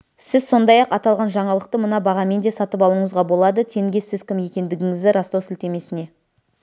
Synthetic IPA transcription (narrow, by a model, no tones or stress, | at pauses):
sɪzso̞nd̪ɑjɑqɑt̪ɑlˠʁɑnʒɑɴɑlˠəq̚t̪əmənɑbɑʁɑme̞nd̪e̞sɑt̪əp̬ɑlˠuɴəzʁɑbo̞lˠɑd̪ət̪ʰe̞ŋɡʲe̞sɪzkʲʰɪmje̞kʲe̞nd̪ɪɡʲɪŋɪzd̪ɪɾɑst̪owsɪlt̪e̞me̞sɪne̞